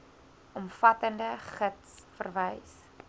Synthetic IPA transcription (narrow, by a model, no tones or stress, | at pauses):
ʔɔmfɐtəndəχətsfə̰rvəjs